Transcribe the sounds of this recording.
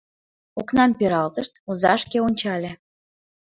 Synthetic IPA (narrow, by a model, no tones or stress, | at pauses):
oknɑmpeɾɑlt̪əʃt̪ozɑʃkeonʲt͡ɕɑlʲe